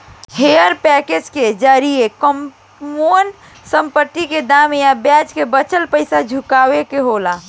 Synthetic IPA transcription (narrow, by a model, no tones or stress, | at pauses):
hejəɾpɛked͡ʒked͡ʒaːɾiekəm | on | sə̃mpət̪ːiked̪aːmjabjɛd͡ʒkebət͡ʃəlpəɪsad͡ʒʱukaːwekeɦola